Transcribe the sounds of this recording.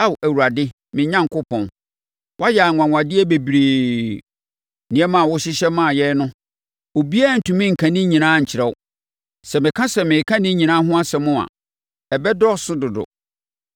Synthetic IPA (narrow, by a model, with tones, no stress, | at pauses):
a˦wæ˨wu˨ɾa˨dɪ˦ | mɪ̃˨ɲã˦ŋ˦kʊ˦pʰɔ̃˨n | wa˦jɛ˨a˨ŋʷã˨ŋʷ˨ã˨dɪ˦ɛ˦be˨bɾeː˨ | nɪ̃˨˦ɛ˦mã˨wʊ˦ɕɪ˦ɕɛ˦mã˦˨jɛ˦nʊ̃˦ | o˨bi˦a˦˨n̩˨tʰũ˨mɪ̃˦ŋ̩˨kʰã˨nɪ̃˦ɲĩ˨nãː˦˨ɲ̩˨t͡ɕʰɪ˨ɾɛ˨wʊ˦ | sɛ˨mɪ̃˨kʰã˦sɛ˨mɪ̃˨kʰã˦nɪ̃˦ɲĩ˨nã˦ɦʊ̃˦a˦sɛ˨mʊ̃˦a̰˨ | ɛ˨bɛ˦dɔ˦sʊ˦dʊ˨dʊ̰˨